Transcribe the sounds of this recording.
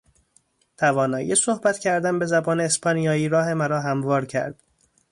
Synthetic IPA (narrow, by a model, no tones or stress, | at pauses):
t̪ʰævɒːnɒːjesohbæt̪cʰæɾd̪ænbe̞zæbɒːne̞ːspʰɒːnijɒːiːɾɒːɦe̞mæɾɒːɦæmvɒːɾcʰæ̰ɾd̪̥